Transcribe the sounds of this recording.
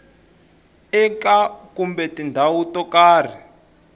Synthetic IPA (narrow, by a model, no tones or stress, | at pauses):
ɛkakumbɛtindʱawutɔkaːr̤i